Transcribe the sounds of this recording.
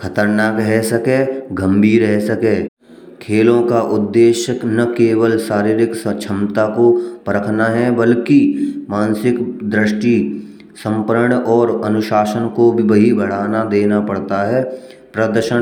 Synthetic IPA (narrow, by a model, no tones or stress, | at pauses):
kʰɐt̪əɾnaːkɦɛsɐkeɡɐ̃mbʱiːɾɦɛɦsɐkeː | kʰeːlõkaʔʊd̪ːeːʃəknɐkeːwəlʃaːɾiːɾɪkst͡ʃʰɐmt̪akopɐɾəkʰnaɦɛbɐlkimaːnsɪkd̪ɾɪʃʈi | sə̃mpəɾəɳɔːɾɐnʊʃaːʃənkobʱibɐɦibʱɐɽ̤aːnad̪eːnapɐɽt̪aɦɛː | pɾəd̪əɾʃə